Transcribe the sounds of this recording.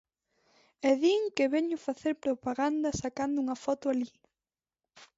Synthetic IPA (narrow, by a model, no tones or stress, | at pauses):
ɛðiŋkɪβɛɲʊfaθeɾpɾopaɣand̪ɐsakand̪ʊuŋɐfɔt̪ʊali